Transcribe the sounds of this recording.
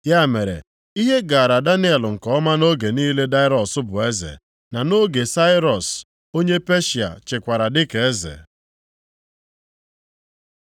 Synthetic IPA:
ja˦˨me˨ɾḛ˨ | i˦ɦe˦ɡa˨ɾa˨da˦ni˦e˨lʊ˨ŋ̩˨kɔ˦ma˦no˦ɡe˨niː˦le˦da˦ɪ˦ɾɔ˨sʊ˦bʊ˨e˦zḛ˨ | na˨no˦ɡe˨sa˦ɪ˦ɾɔ˨s | o˦ɲe˦pe˦ʃi˨a̰˨t͡ʃɪ˨kʷa˨ɾa˨dɪ˦ke˦zḛ˨

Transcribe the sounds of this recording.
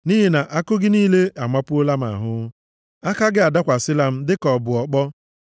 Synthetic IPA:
ni˦ɦi˦na˨ʔa˦kʊ˦ɡɪ˦niː˦le˦a˨ma˦pʊ˦o˦la˦m̩˦a̰˨ɦʊ˦ | a˦ka˦ɡɪ˦a˨da˦kʷa˨sɪ˦la˨m̩˦dɪ˦kɔ˨bʊ˨ɔ˨k͡pɔ˦

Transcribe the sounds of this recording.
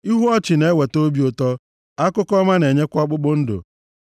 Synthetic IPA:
i˦ɦu˦ɔ˦t͡ʃɪ˨ne˦we˨to˦bi˦o˨tɔ˦ | a˦kʊ˦kɔ˦ma˦ne˨ɲe˦kʷʊ˦ɔ˦k͡pʊ˦ɡ͡bʊ˦n̩˦dʊ̰˨

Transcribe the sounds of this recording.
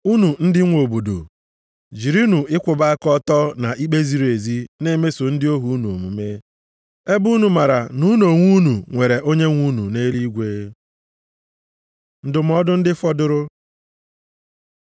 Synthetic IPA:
u˦nu˨n̩˦dɪ˦ŋʷo˨bo˨do̰˨ | d͡ʒi˨ɾi˦nu˨ɪ˦kʷʊ˨ba˦kɔ˦tɔ˦na˨ʔi˦k͡pe˦zi˨ɾe˨zi˦ne˦me˦sʊ˨n̩˦dɪ˦o˦ɦu˦nu˨o̰˨mu˨me˦ | e˦bu˦nu˨ma˨ɾa˨nu˦no˨ŋʷu˦nu˨ŋʷe˨ɾe˨ʔo˦ɲe˦ŋʷu˦nṵ˨ne˦li˦ɡʷe˦ | n̩˨dʊ˨m̩˦ɔ˦dʊ˦n̩˦dɪ˦fɔ˦dʊ˦ɾʊ˦

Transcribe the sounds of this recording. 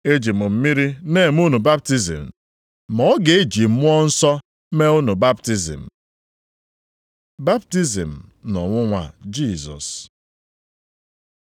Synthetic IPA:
e˦d͡ʒi˨mʊ˨m̩˦mi˦ɾi˦ne˨m˦u˦nu˨ba˦p̚ti˦zḭ˨m̩˨ | mɔ˦ɡe˨e˦d͡ʒi˨m̩˦mʊ˦ɔ˦n̩˦sɔ˦ | me˦ʊ˦nu˨ba˦pti˦zḭ˨m̩˨ | ba˦p̚ti˦zḭ˨m̩˨nɔ˨ŋʷʊ˦ŋʷa̰˨d͡ʒi˦˨zɔ̰˨s

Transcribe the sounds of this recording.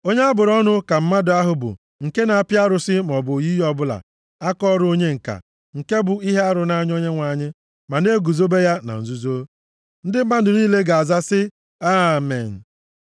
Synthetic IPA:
o˦ɲe˦a˦bʊ˨ɾɔ˦nʊ˦ka˨m̩˦ma˦dʊ˨a˦ɦʊ˨bʊ̰˨ | ŋ̩˨ke˦na˨a˦˨pja˦ɾʊ˨sɪ˦m˨ɔ˨bʊ˨ji˦jɔ˦bʊ˦la̰˨ | a˦kɔ˦ɾʊ˦o˦ɲe˦ŋ̩˨ka̰˨ | ŋ̩˨ke˦bʊ˨i˦ɦe˦a˦ɾʊ˨na˦ɲ˦o˦ɲe˦ŋʷa˨ɲɪ˦ | ma˨ne˦ɡu˨zo˦be˦ja˦na̰˨n̩˨zu˦zo˦ | n̩˦dɪ˦m̩˦ma˦n̩˦˨dʊ˨niː˦le˦ɡa˨a˨za˦sɪ˦ | a˦mḛ˨n̩˨

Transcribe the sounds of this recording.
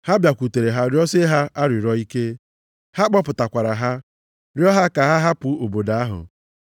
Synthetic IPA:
ha˦bja˨kʷu˨te˨ɾe˨ɦa˦ɾjɔ˦se˦ɦa˦a˦ɾɪ˨ɾɔ˦i˦ke˦ | ha˦k͡pɔ˦pʊ˨ta˨kʷa˨ɾa˨ɦa˦ | ɾjɔ˦ɦa˦ka˨ɦa˦ɦa˦pʊ˨o˨bo˨da˨a˦ɦʊ̰˨

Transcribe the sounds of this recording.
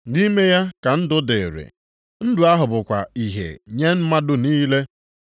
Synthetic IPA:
ni˦me˦ja˦ka˨n̩˦dʊ˦de˨ɾḛ˨ | n̩˦du˨a˦ɦʊ˨bʊ˨kʷa˨i˨ɦḛ˨ɲe˦m̩˦ma˦dʊ˦niː˦le˦

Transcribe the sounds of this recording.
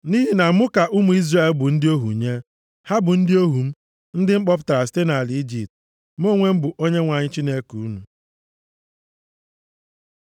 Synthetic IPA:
ni˦ɦi˨na˨˦ʊ˦ka˨ʔʊ˦mu˨i˦zra˦˨e˨lbʊ˨n̩˦dɪ˦o˦ɦṵ˨ɲe˦ | ha˦bʊ˨n̩˦dɪ˦o˦ɦu˨m̩˦ | n̩˦dɪ˦ŋ͡m̩˦k͡pɔ˦p̬ʊ̥˦ta˨a˨s̬i̥˦te˦na˨li˨i˦d͡ʒi˨p̚t | m˦o˦ŋʷe˦m̩˦bʊ˨ʔo˦ɲe˦ŋʷa˨ɲɪ˦t͡ʃi˦ne˦ku˨u˦nu˨

